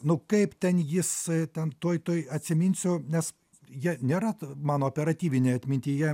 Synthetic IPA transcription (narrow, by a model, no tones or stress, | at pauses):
nʊkɐɪpt̪ʲɛnjɪst̪ʲɛnt̪uɔjt̪oːjɐtʲsʲɪmʲɪnʲsʲʊnʲɛs | jiɛnʲeːɾɐmɑːnooːpʲɛɾɐt̪ʲiːʋʲɪnʲeɐt̪ʲmʲɪnʲt̪ʲiːjɛ